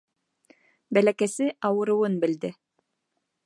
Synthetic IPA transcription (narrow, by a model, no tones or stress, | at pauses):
bælækæsɘʔɑwɤ̆ɾɤ̆wɤnbɘ̆ld̪ɘ